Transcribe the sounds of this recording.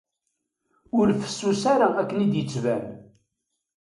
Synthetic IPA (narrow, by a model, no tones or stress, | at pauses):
ʊlfə̥sːusaɾaækːənid̪jət͡sːvæn